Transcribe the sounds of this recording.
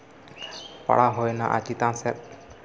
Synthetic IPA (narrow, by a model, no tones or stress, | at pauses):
pa̰ɽaɦojnaʔa̰t͡ʃit̪ãnsɛ